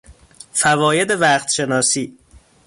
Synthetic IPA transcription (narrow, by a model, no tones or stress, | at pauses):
fævɒːje̞d̪e̞væχt̪ʃe̞nɒːsiː